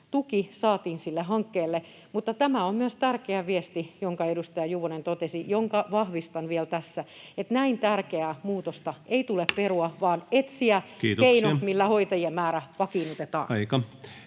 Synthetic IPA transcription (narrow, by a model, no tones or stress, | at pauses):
t̪ukisɑːt̪iːnsilːeɦɑŋkːeːlːe | mut̪ːɑt̪æmæommyøst̪ærkeæʋiest̪ijoŋkɑedust̪ɑjɑjuʋonent̪ot̪esijoŋkɑʋɑhʋist̪ɑnʋielt̪æsːæet̪næint̪ærkeæːmuːt̪ost̪ɑeit̪ulepperuɑʋɑːnet̪siækiːt̪keinomilːæhoit̪ɑjiemmæːɾæpɑkinut̪et̪ɑ̰ːnɑikɑ